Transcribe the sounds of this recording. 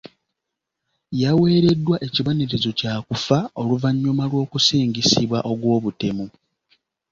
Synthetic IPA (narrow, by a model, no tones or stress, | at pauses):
jawe̞ːɾe̞dːwaʔe̞ciβo̞niɾezo̞caːkufao̞luvaɲːumalwo̞ːkusiːɲɟisiβwaʔo̞ɡwo̞ːβute̞mu